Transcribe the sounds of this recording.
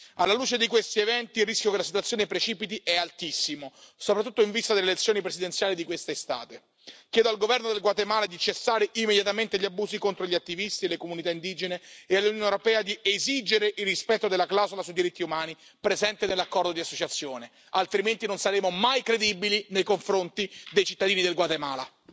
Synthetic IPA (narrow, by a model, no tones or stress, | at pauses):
alːaluːt͡ʃed̪ikwest̪ievɛnt̪iːrːiskʲjokelasit̪wat̪sːjoːnepɾet͡ʃiːpit̪iʔɛalt̪isːimosopɾat̪ːut̪ːoiɱvist̪ad̪elelet̪sːjoːnipɾezid̪ent̪sjaːlid̪ikwest̪est̪a̰ːt̪e | k̟jɛːd̪oalɡovɛrnod̪elɡwat̪emaːlad̪it͡ʃesːaːɾeʔimːed̪jat̪ament̪eʎːiabːuːzikont̪ɾoʎiat̪ːivist̪ielekomunit̪aind̪iːd͡ʒeneealːunjonewɾopɛːad̪ieziːd͡ʒeɾeʔilːispɛt̪ːod̪elːaklawzolasujd̪iɾit̪ːiumaːni | pɾezɛnt̪enelːakːɔrd̪od̪iasːot͡ʃat̪sːjoːne | alt̪ɾiment̪inonsaɾeːmomajkɾed̪ibilinejkoɱfɾont̪id̪ejt͡ʃit̪ːad̪iːnid̪elɡwat̪emaːla̰